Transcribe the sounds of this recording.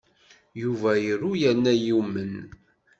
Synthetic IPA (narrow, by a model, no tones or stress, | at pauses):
juvæjəɾujænːæjumːən